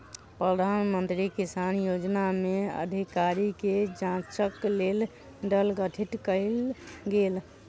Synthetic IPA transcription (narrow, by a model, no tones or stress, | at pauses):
pɾəd̪ʱanmənt̪ɾikisanjod͡ʒnameə̰d̪ʱikaɾiked͡ʒãt͡ʃəklel | ɖəlɡəʈʰiʈkəɪlɡel